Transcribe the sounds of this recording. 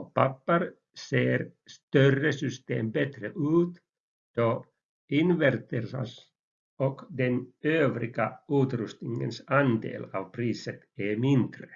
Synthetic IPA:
pʰapːəɾ | seːɾst̪œrəsʏst̪ḛːmbɛt̪ɾəʔʉ̟ːt̪ | d̪̥o | ɪnʋæɾt̪əɾsa̰s | ɔkd̪ɛnøːvɾɪɡ̥aʉːt̪ɾʉst̪nɪŋə̰nsand̪ḛːlɑ̰ːʋpʰɾiːsət̪æmɪnd̪̥ɾə

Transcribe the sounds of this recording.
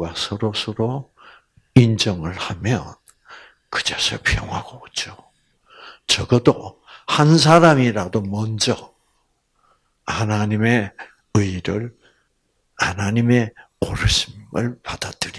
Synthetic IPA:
wasʰʌɾosʰʌɾo | ind͡ʑʌŋɯɭhamjʌ̰n | kɯ̥d͡ʑasʰʌpʰjoŋɦaɡ̥ot͡ɕ͈o | t͡ɕʌɡʌdohans̬ʰaɾamiɾadomʌnd͡ʑʌ | hanaɲime̞ | ɯiɾɯɾ | anaɲime̞ | oɾɯɕʰimɯɭpad̥ad̥ɯɾi

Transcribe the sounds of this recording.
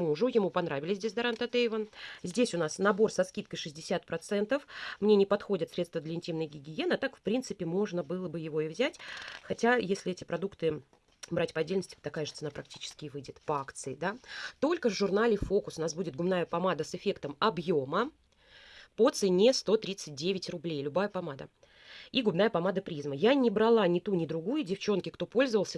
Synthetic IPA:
muʐʊjɪmupɐnɾavʲɪlʲɪsʲdʲesʲd̪ɐɾant̪ɐt̪ejvənzʲdʲesʲʊnasnɐbo̞rsɐskʲit̪kəjʂɨzʲdʲɪsʲat̪pɾɐt̪sɛnt̪əfmnʲenʲɪpɐt̪xo̞dʲɪt̪sʲɾʲest̪vəd̪lʲɪnʲtʲimnəjɡʲɪɡʲɪje̞nɐt̪akfpɾʲint̪sɨpʲɪmo̞ʐnəbɨlˠəbɨjɪvo̞ɪvzʲætʲxɐtʲajesʲlʲɪɛtʲɪpɾɐd̪ukt̪ɨ | bɾʔatʲpəɐdʲelʲnəsʲtʲɪ̥t̪ɐkajəʐɨt̪sɨnapɾɐk̚tʲi̥t͡ɕɪ̥skʲɪvɨjdʲɪt̪pɐakt̪sɨɪd̪at̪o̞lʲkəvʐʊrnalʲɪfo̞kʊ̥sʊnasbudʲɪt̪̚ɡʊbnajəpɐmad̪əsɨfʲe̞kt̪əmɐbjo̞mə | pot̪sɨnʲe̞st̪o̞t̪ɾʲit̪sɨt̚ʲdʲevʲɪtʲrʊblʲejlʲʊbajəpɐmad̪ə̰ | iɡʊbnajəpɐmad̪əpɾʲizməjanʲɪbɾɐlˠanʲɪt̪unʲɪd̪ɾʊɡujʊdʲɪft͡ɕo̞nkʲɪkt̪o̞po̞lʲzəvəlˠsʲə

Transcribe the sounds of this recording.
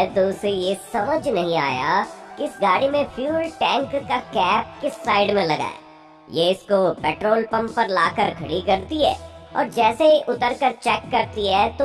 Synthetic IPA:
t̪osejesɐməd͡ʒʱnɐɦĩa̰ːja̰kiɪsɡaːɽimẽfʰjuːlʈɛ̃ːŋkːakɛːp̚kɪsːaːɪɖmẽlɐɡa̰ːɛ̰ | jeɪskopɛːʈɾoːlpɐ̃mpɐɾlaːkəɾkʰɐɽikɐɾt̪iɦɛ̰ːɔ̰ːɾd͡ʒɛːseʔʊt̪əɾkɐɾt͡ʃɛːkːɐɾt̪iɦɛːt̪o

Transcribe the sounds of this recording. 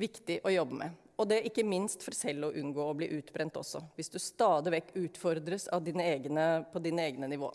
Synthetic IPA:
ʋɪkt̪ɪʔɔjɔbːəmɛ̰ | ɔd̪ɛæɾʔɪkːəmɪnst̪fɔɾsɛlːɔʔʉnɡoːɔblḭːʔʉːt̪bɾɛnt̪ɔ̰sːɔʋɪsd̪ʉst̪ɑːd̪ɪʋɛkːʉːt̪fɔɾd̪ɾəsɑ̰ʋd̪iːnəeːɡnəpʰɔd̪iːnəeːɡnənɪʋo̰ː

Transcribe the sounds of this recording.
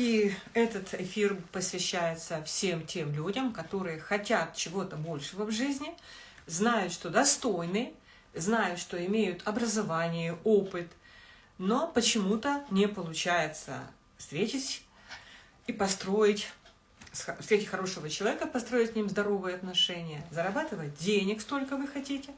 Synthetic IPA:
i | ɛt̪ət̪ɪfʲirpəsvʲɪɕːæjɪt̪səfsʲe̞mtʲe̞mlʲudʲəmkɐt̪o̞ɾɨjəxɐtʲat̪̚t͡ɕɪvo̞t̪əbo̞lʲʂɨvəvʐɨzʲnʲɪ | znajʊt̪ʂt̪o̞d̪ɐst̪o̞jnɨ | znajʊt̪ʂt̪o̞ɪmʲejʊt̪ʰɐbɾəzɐvanʲɪjɪopɨt̪ | no̞pət͡ɕɪmut̪ənʲɪpəlˠʊt͡ɕæjɪt̪sə̰ | fst̪ɾʲetʲɪsʲ | ipɐst̪ɾo̞ɪtʲ | sfsɾetʲɪ̥tʲxɐɾo̞ʂɨvət͡ɕɪlˠɐvʲekəpɐst̪ɾo̞jɪtʲknʲimzd̪ɐɾo̞vɨjəɐt̪nɐʂɛnʲɪjəzəɾɐbat̪ɨvət̚ʲdʲenʲɪkst̪o̞lʲkəvɨxɐtʲitʲɪ

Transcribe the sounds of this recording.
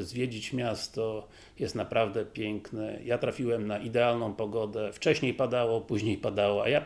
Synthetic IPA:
zvʲjed͡ʑit͡ɕmʲjast̪ɔ | jɛst̪napɾavd̪ɛpʲjɛŋknɛ̰jat̪ɾafʲiwɛmnaʔid̪ɛalnɔ̃w̃pɔɡɔd̪ɛft͡ʂɛɕɲejpad̪awɔpuʑɲejpad̪awɔa̰ja

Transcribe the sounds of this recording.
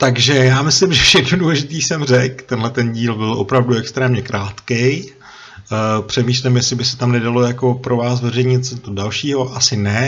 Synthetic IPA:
t̪aɡʒɛjaːmɪslɪmʒɛfʃɛxnoduːlɛʒɪt̪iːsɛmr̝ɛkt̪ɛnɦlɛt̪ɛnɟiːlbɪlʔo̞̰pɾavduɛkst̪ɾɛːmɲɛkɾʔaːt̪kɛj | pr̝̥ɛmiːʃlɛmjɛsɪbɪsɛ̥t̪amnɛdalo̞jako̞pɾo̞vaːsvɛrɛjɲɪt̪sɲt̪odalʃiːɦo̞ʔasɪnɛ

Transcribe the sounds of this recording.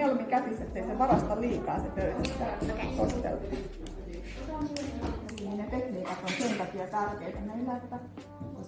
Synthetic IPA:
elmikæsisːet̪ːeiseʋɑrɑst̪ɑliːkɑ̰ːsepøysæst̪ːæet̪ost̪ḛlt̪u | seoni | ninnet̪ekniːkɑt̪onsent̪ɑkiɑt̪ærkeːt̪enesihæet̪ːæ

